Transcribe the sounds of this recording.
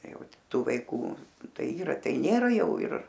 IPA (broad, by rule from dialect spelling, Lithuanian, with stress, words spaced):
ˈjɛʊ ˈtuː ˈʋɐɪkuː ˈtɐɪ ˈiːrɐ ˈtɐɪ ˈnʲeːrɐ ˈjɛʊ ɪr